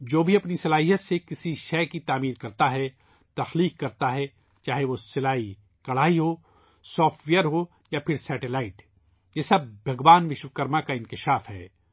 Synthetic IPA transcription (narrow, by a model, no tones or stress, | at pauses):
d͡ʒoːbʱiɐpnisɐlaːɦijət̪sekɪsiʃɛːkit̪aːmiːɾkɐɾt̪aɦɛ | t̪ɐxliːkːɐɾt̪aɦɛ | t͡ʃaːɦeʋosɪlaːi | kɐɽ̤aːiɦo | sɔːfʈʋejəɾɦo | japʰɪɾsɛːʈelaːɪʈ | jeːsɐb̚bʱɐɡʋaːnʋɪʃʋəkɐɾmakaɪ̃nkɪʃaːfɦɛ̰ː